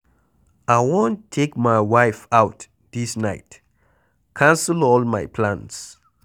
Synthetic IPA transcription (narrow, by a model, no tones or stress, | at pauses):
aɪwõntʰːekmajwaɪfawt | disnaɪt | kʰãnsəlɔlmaɪpʰlãns